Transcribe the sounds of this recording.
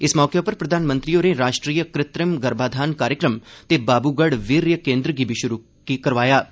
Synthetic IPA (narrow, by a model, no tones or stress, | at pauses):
ɪsmɔːkepɐɾpɾɐd̪ʱaːnmə̃nt̪ɾijoneɾaːʃʈɾiːjəkɾɪt̪ɾəmɡɐɾbaːd̪ʱaːnkaːɾjəkɾəmt̪ebaːbuɡəɽʋiɾjəkẽːnd̪ɾəɡibʱiʃʊɾu | kikɐɾʋaːjaː